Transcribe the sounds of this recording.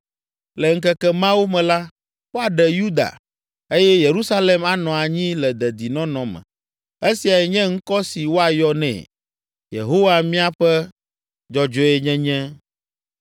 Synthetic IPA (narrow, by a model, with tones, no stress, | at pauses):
lɛ˨ŋ̩˦kɛ˦kɛ˦mã˦wu˦mɛ̃˨la˦ | wo˦a˨ɖɛ˨ju˦d̪a̰˨ | e˦jɛ˦je˨ɾu˦sa˦le˨ma˨nɔ̃˨a˨ɲĩ˦lɛ˨d̪ɛ˨d̪i˨nɔ̃˦nɔ̃˨mɛ̰̃˨ | e˦si˨a˨jɛ˨ɲɛ̃˦ŋ̩˦kɔ˦si˨wo˦a˨jɔ˦nɛ̰̃˨ | jḛ˨ɦo˦wa˦mĩ˦a˦ɸɛ˦ | d͡ʒɔ˨d͡ʒɔ˦ɛ˦ɲɛ̃˦ɲɛ̃˦